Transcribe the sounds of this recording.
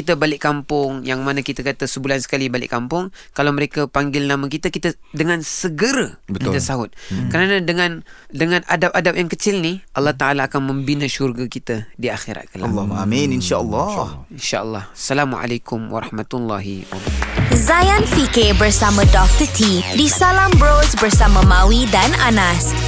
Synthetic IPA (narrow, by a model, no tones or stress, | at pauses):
kit̪əbalɪʔkːampʊŋjaŋmanakit̪əkat̪əsəbulansə̥kalibalɪ̰ʔkampʊŋkalawməɾekapaŋɡɪlnamakit̪əkit̪ədəŋansəɡəɾəbətkit̪əsaɦʊt̪̚kəɾanadəŋandəŋãna̰dap̚adap̚jaŋkət͡ʃɪlniʔɑlːɑht̪aʔalaːkanməmbinəʃurɡakit̪ədiaxiɾa̰t̪̚kalamːamininʃaʔəlːɑinʃa̰ʔəlːɑ̰hsalamuʕa̰lakʊmwa̰ɾɑ̰hmat̪ulːɑɦḭwa̰bazajanfikebərsamãdɔft̪ət̪ʰidisalambɾosbərsamamawidananas